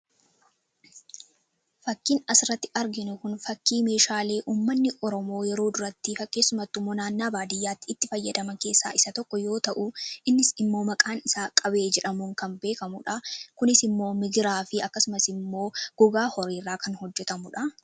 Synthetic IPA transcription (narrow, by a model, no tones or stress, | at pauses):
fɐkːiːnɐsɪɾɐt̪ːɪʔɐɾɡɪnʊkʊnfɐkːiːme̞ːʃaːle̞ːʔuːmːɐnːɪʔɔɾɔmo̞ːjɛɾo̞ːd̪ʊɾɐt̪ːɪfɐkʼːeːsːʊmɐt̪ːʊmːoːnaːnːaːbaːd̪ɪjːaːt̪ːɪːt̪ːɪfɐjːɐd̪ɐmɐke̞ːsːaːʔɪsɐt̪ɔkːɔjo̞ːt̪ɐʔʊʔɪnːɪsɪmːo̞ːmɐkʼaːnɪsaːkʼɐbe̞ːd͡ʒɛᶑɐmuŋkɐnbe̞ːkɐmʊᶑɐkʊnɪsɪmːo̞ːmɪɡɪɾaːfɪɐkːɐsʊmɐsɪmːo̞ːɡ̥ɔɡaːhɔɾiːrːaːkɐnhɔd͡ʒːɛt̪ɐmʊᶑɐ